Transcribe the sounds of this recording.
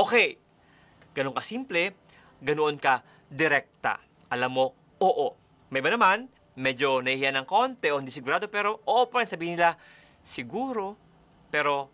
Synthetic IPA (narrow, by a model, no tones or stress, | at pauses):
ʔokɛj | ɡ̥ɐnoŋkɐsimplɛ | ɡɐnoʔonkɐ | d̪ɪɾɛk̚t̪ɐ̰ | ʔɐlamːo̞ | ʔoːʔo | mɐjbɐnɐman | mɛːd͡ʒo̞nɐhihijanɐŋko̞nt̪ɛʔohɪnd̪iːsɪɡʊɾaːd̪opɛːɾo̞ʔoːʔopɐaɾɛŋsɐbiːhnɪla | sɪɡuːɾo̞ | pɛːɾo̞